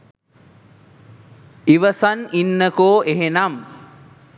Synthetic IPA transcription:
iʋəsaninːəkoːeɦenam

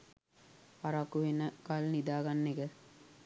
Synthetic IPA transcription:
paɾakuʋenəkalnid̪aːɡanːeɡə

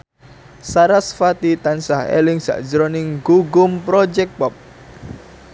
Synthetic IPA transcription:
saɾasfat̪it̪ansahḛlɪŋsa̰ʔd͡ʒəɾonɪŋɡuɡʊmpɾɔd͡ʒɛk̚pɔp̚

